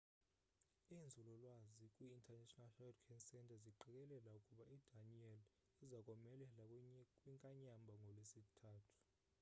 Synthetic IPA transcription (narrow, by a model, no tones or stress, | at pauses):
ind͡zʱulɔlwazikʼwiːntʰʼɛnatʼɔnalharikʰansɛntʰʼaziǃɛkʼɛlɛlaukʼuɓaidʱaniɛl | izakʼɔmɛlɛlakʼkʼwiŋkʼaɲambʱaŋɡʱɔlwesitʰaːtʰu̥